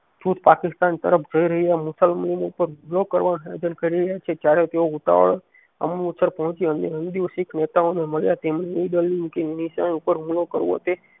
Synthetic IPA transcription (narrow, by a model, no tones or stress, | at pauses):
d͡ʒut̪pakɪst̪ãːnt̪ə̰ɾəpʰd͡ʒəiɾəɦiamʊsəlməlimupəɾmlokəɾʋanɦed͡ʒənkəɾiɾjat͡ʃʰet͡ʃaːɾet̪eoʊt̪a̰ʋə̰ɭ | ə̰mnːt̪səɾpəɦʊ̃t͡ʃiə̃nd̪iənd̪iosɪkʰnet̪aõneməɭjat̪emnenəĩd̪əliũkenisã̰upəɾmlokəɾʋo̰t̪e